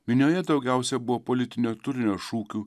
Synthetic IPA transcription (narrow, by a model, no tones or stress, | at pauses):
mʲɪnʲoːjɛd̪ɒʊɡʲæˑʊsʲɛbʊʋoːpoːlʲɪt̪ʲɪnʲuːt̪ʊɾʲɪnʲoːʃuːkʲuː